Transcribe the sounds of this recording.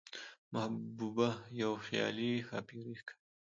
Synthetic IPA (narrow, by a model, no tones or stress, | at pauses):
mahbubajawxjɑ̰lixa̰piɾikʰḁ